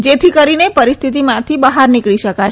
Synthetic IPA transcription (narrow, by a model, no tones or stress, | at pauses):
d͡ʒet̪ʰikəɾinepəɾist̪ʰit̪̬imãt̪ʰibəɦaɾnikɭiʃəkat͡ʃʰ